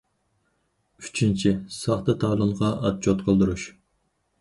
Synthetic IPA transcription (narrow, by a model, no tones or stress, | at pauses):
yt͡ʃʰint͡ʃʰisɑχt̪ɨt̪ʰɑːlˠɨmʁɑɑt̪̚t͡ʃʰot̪qʰəlˠd̪uɾuʃ